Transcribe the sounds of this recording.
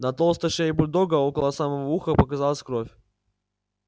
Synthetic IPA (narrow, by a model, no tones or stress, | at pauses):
nɐt̪olˠst̪əʂeɪbʊlʲd̪oɡəokəlˠəsaməvouxəpəkɐzalˠəsʲkɾofʲ